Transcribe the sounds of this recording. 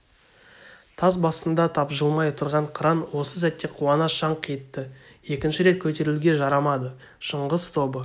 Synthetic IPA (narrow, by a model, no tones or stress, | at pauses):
t̪ʰɑzbɑst̪ənd̪ɑt̪ʰɑpʒəlˠmɑjt̪ʰʊɾʁɑɴqʰəɾɑnwo̞səs̬æt̪ːe̞qʰuɑnɑʃɑɴqʰijət̪ːə | je̞kʲɪnʃɪɾe̞t̪̚kʲʰɵt̪e̞ɾɪlɡʲe̞ʒɑɾɑmɑd̪ə | ʃəɴʁəzt̪ʰo̞bə